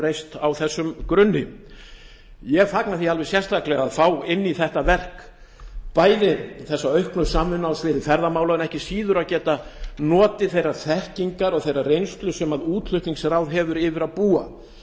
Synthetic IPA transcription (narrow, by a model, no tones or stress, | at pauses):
ɾejst̪awθɛsːʏmkɾʏnːɪ | jɛɣfaknaθialvɛsjɛnst̪ʰahklɛɣaðfawɪnːiθɛht̪avɛr̥k | paːjðɪθɛsːaœɥhknʏsaːmʏnːawsvɪːðɪfɛɾðamaːwlaʏnɛhcɪsiːðʏɾaðcɛːt̪anɔːt̪ɪθejraθɛhciŋkaɾɔɣθejɾarejnst̪lʏsɛmaðuːt̪l̥ʏht̪niŋsɾawðɦɛvʏɾɪːvɪɾaðpuːa̰